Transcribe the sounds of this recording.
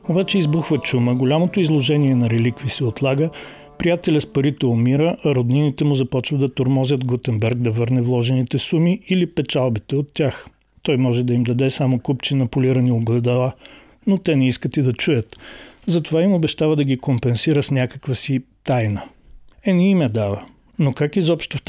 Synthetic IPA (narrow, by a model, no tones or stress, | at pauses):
obat͡ʃɛizbuxvət͡ʃuməɡolʲamot̪oizlˠoʒɛniɛnɐɾɛlikvisɛot̪lˠaɡə | pɾijat̪ɛlʲəspɐɾit̪ɛomiɾəʔɐɾod̪ninit̪ɛmuzɐpɔt͡ʃvəd̪ɐt̪oɾmɔzʲət̪ɡot̪ɛmbɛɾɡ̚d̪ɐvɤɾnɛvlˠɔʒɛnit̪ɛsumiilipɛt͡ʃalˠbit̪ɛot̪ːʲax | t̪ɔjmɔʒɛd̪ɐimd̪ɐd̪ɛsamokupt͡ʃinɐpʊliɾɐnioɡlˠɛd̪ɐlˠa | not̪ɛnɛiskət̪id̪ɐt͡ʃujət̪zɐt̪ovaimobɛʃt̪avəd̪ɐɡʲikompɛnsiɾəsnʲakəkvəsit̪ajnə | ɛniimɛd̪avə | nokakizɔpʃt̪oft̪